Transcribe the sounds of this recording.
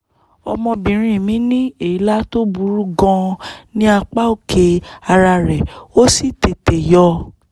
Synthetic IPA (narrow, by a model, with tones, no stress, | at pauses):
ɔ̰˧mɔ̃˧bĩ˨ɾ̃ĩ˧˨mĩ˨˦nĩ˦e˦˨i˦la˦to˦bu˧˦ɾu˦ɡɔ̃˧nĩ˦a˧k͡pa˦o˦˨ke˧a˧ɾa˧ɾɛ˨o˦si˦˨te˨te˨jɔ˧